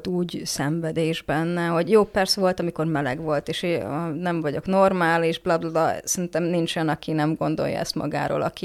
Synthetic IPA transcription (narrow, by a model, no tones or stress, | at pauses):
t̪uːɟsɛɱvɛd̪eːʒbɛnːɛɦoɟjoːpɛrsɛvo̞lt̪ɒmiko̞rmɛlɛ̰ɡʋo̞lt̪eːʃeɒnɛɱvɒɟo̞kno̞rmaːliʒblɒblɑbɒsɛint̪ɛmnint͡ʃojɒnɒkinɛmɡo̞nd̪o̞̰jːɒ̰ɛ̰st̪mɒ̰ɡa̰ːɾo̰ːlʔɒ̰ki